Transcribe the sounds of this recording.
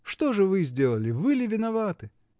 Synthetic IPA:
ʂt̪oʐɨvɨzʲdʲelˠəlʲɪvɨlʲɪvʲɪnɐvat̪ɨ

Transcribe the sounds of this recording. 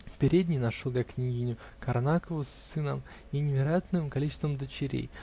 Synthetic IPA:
fpʲɪɾʲed̪ʲnʲɪjnɐʂolˠjʲaknʲiɡʲinʲʊ | kɐɾnakəvʊsɨnəm | inʲɪvʲɪɾɐjat̪nɨmkɐlʲit͡ɕɪst̪vəmd̪ət͡ɕɪɾʲḛj

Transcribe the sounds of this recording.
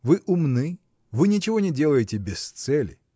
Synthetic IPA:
vɨʔʊmnɨ | vɨnʲɪt͡ɕɪvo̞nʲɪdʲe̞lˠəjɪtʲɪbʲɪst̪sɛlʲɪ̰

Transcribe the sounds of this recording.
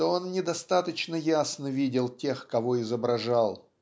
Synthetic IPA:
t̪oo̞nnʲɪd̪ɐst̪at̪ət͡ɕnəjasnəvʲidʲɪlˠtʲe̞xkɐvo̞ɪzəbɾɐʐalˠ

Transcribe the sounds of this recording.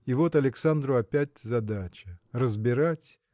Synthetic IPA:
ɪvo̞t̪ɐlʲɪksand̪ɾʊɐpʲætʲzɐd̪at͡ɕɪrəzbʲɪɾatʲ

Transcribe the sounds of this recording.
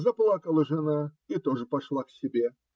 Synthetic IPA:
zɐplˠakəlˠəʐɨnait̪o̞ʐɨpɐʂlˠaksʲɪbʲe

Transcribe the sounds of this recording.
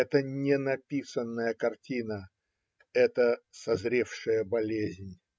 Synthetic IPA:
ɛt̪ənʲɪnɐpʲisənːəjəkɐrtʲinə | ɛt̪əsɐzɾʲefʂɨjəbɐlʲezʲnʲ

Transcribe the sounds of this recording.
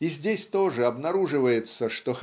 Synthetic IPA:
izʲdʲesʲt̪o̞ʐɨɐbnɐɾuʐɨvəjɪt̪səʂt̪ox

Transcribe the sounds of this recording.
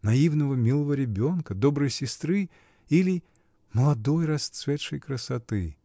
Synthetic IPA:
nɐivnəvəmʲilˠəvəɾʲɪbʲo̞nkəd̪obɾɨjsʲɪst̪ɾɨ | ilʲɪ | məlˠɐd̪o̞jrɐst̪svʲet̪ʂəjkɾəsɐt̪ɨ

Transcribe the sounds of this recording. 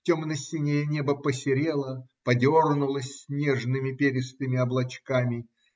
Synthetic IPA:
tʲo̞mnəsʲɪnʲejənʲebəpəsʲɪɾʲelˠəpɐdʲornʊlˠəsʲsnʲeʐnɨmʲɪpʲeɾʲɪst̪ɨmʲɪɐblˠɐt͡ɕkamʲɪ

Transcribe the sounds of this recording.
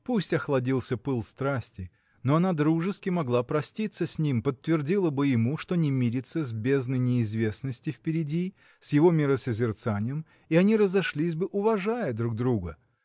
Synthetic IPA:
pusʲtʲɐxlˠɐdʲilˠsʲəpɨlˠst̪ɾasʲtʲɪ | noɐnad̪ɾuʐɨskʲɪmɐɡlˠapɾɐsʲtʲit̪səsʲnʲimpət̪ːvʲɪrdʲilˠəbɨjɪmuʂt̪o̞nʲɪmʲiɾʲɪt̪səzʲbʲe̞znəjnʲɪːzvʲe̞snəsʲtʲɪfpʲɪɾʲɪdʲi | sʲjɪvo̞mʲɪɾəsəzʲɪrt̪sanʲɪjəm | iɐnʲiɾəzɐʂlʲisʲbɨʔʊvɐʐajəd̪ɾuɡ̚d̪ɾuɡə

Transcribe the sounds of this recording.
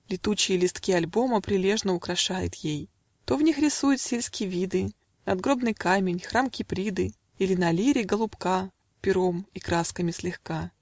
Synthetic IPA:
lʲɪt̪ut͡ɕɪjəlʲɪst̪kʲiɐlʲbo̞məpɾʲɪlʲe̞ʐnəʊkɾɐʂajʊ̰t̪jej | t̪o̞vnʲixɾʲɪsujʊt̪sʲelʲskʲɪjəvʲid̪ɨ | nɐd̪ɡɾo̞bnɨjkamʲɪnʲxɾamkʲɪpɾʲid̪ɨ | ilʲɪnɐlʲiɾʲɪɡəlˠʊpka | pʲɪɾomikɾaskəmʲɪsʲlʲɪxka

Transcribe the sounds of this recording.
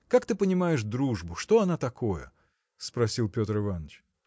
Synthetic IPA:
kakt̪ɨpənʲɪmajɪʂd̪ɾuʐbʊʂt̪o̞ɐnat̪ɐko̞jə̰ | spɾɐsʲilˠpʲo̞t̪ɾɨvanːət͡ɕ

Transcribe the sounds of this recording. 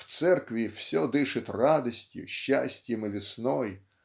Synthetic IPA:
w̥t̪sɛrkʋʲiw̥sʲɔd̪ɪʃɪt̪ʲrɑd̪ɔsʲtʲʊ̰ʃt͡ʃːasʲtʲjɐmɪʋʲisnɔj

